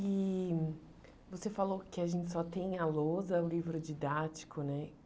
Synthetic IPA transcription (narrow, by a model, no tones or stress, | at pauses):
ɪ | vosefalokɪaʒẽnt͡ʃɪ̥sɔt̪ẽj̃alozɐʊlivɾʊd͡ʒid̪at͡ʃi̥kʰʊnɛ